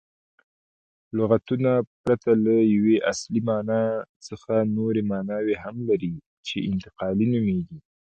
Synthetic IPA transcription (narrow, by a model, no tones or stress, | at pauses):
lʊɣat̪unapɾat̪alajaweʔaslimɑnɑt͡səxanoɾemɑnɑweɦamlaɾi | t͡ʃeɪnt̪ɪ̥qɑlinumeɡi